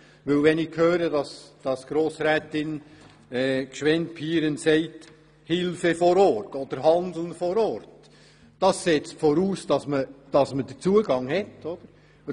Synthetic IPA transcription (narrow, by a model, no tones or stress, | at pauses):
ʋɵlʋɛnɪkʰhøːɾədɑsd̥ɑsɡ̥ɾoːsɾɛːtɪn | ɛːkʃʋɛnt̚pʰiːɾənsɛɪt | hɪlfəfɔɾɔrtɔd̪̥əɾhɑndl̩nfɔɾɔrt | d̥ɑsːɛt͡stfɔɾuːsd̥ɑsməd̥ɑsməd̥ət͡suəɡɑŋhɛtɔd̪̥əɾ